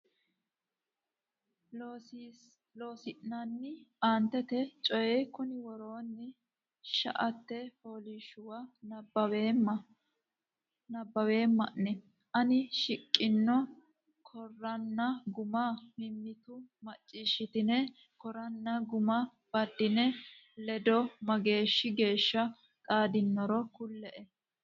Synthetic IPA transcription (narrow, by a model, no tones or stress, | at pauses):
loːsɪʔnɐnːɪaːnt̪ːɛt̪ɛt͡ʃʼɔjɛkʊnɪwɔɾo̞ːnːɪ | ʃɐ̰ʔɐt̪ːɛho̞ːliʃʊwɐnɐbɐw | nɐbːɐwe̞ːmːɐʔnɛ | ʔɐnɪʃɪkʼːɪnːɔ | kʰɔrːɐnːɐɡʊmamɪmːɪt̪ʊmɐt͡ʃʼːiːʃɪt̪ɪnɛ | kɔɾɐnːɐɡʊmɐ | b̥ɐd̪ːɪnɛlɛd̪ɔmɐɡe̞ːʃːɪɡe̞ːʃːɐ | kʼaːd̪ɪnːɔɾɔkʊlːɛʔɛ